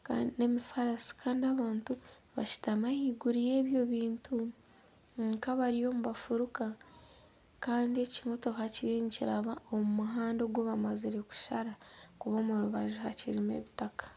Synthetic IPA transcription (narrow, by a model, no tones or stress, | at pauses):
kaːndine̞mifaɾasi̥kʰaːndiaβaːntu | βa̰ʃi̥tamajiːɡuɾije̞ːβjo̞βiːntʰu | ŋŋkaβaɾijo̞ːmuβafuɾuka | kaːndie̞cimo̞to̞kaciɾiɲciɾaβaomumuɦaːndo̞ɡwoβamaziɾe̞ku̥ʃaɾakuβo̞ːmuɾuβaʒuɦaciɾime̞̰βitakḁ